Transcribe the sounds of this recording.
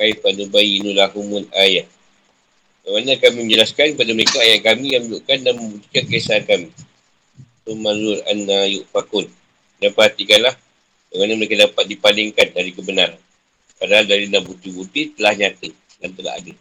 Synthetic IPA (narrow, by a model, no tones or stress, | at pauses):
kaipanubaiːnulaɦumʊnajaʔ | daŋanakamimə̃ɲd͡ʒəlaskankəpadaməɾekaːjaʔkamijaŋmiluʔkandanməmbut̪i̥kankaisankamĩ | sumazʊɾa̰nːajʊʔpakʊn | dapəɦat̪ikanlah | baŋanaməɾekadapat̪̚dipalɪŋkandaɾikəbənaɾan | padaɦaldaɾinaʔbut̪ibut̪it̪əlahɲat̪ə | dant̪əla̰a̰də